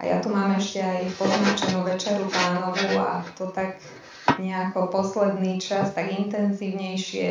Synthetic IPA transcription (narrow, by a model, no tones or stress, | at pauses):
ʔa̰ja̰t̪umaːmɛʃcɛajfpɔzmat͡ʃɛnuʋɛt͡ʃɛɾuplaːnɔʋua̰t̪ɔt̪ak | ɲɛakɔpɔslɛd̪niːt͡ʃast̪aɡint̪ɛnziːʊɲɛjʃɪɛ̰